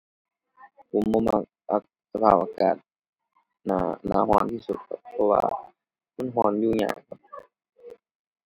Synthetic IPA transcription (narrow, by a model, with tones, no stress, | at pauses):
kʰu˨˦mːo˧˦˨ma˧ | ʔa˧k̚sa˧pʰaː˧˩p̚ʔa˧kaː˨˩t̪̚ | na˧na̰ː˧˦ɦɔ˧˦nt̪ʰiː˧˨su˧˩t̪̚kʰa̰˧˩p̚pʰːɔ˧wa̰ː˧˨ | ma˧˥˨nɦɔː˧˦nduː˧˨ɲa̰ː˧˨˩kʰa˧˩p̚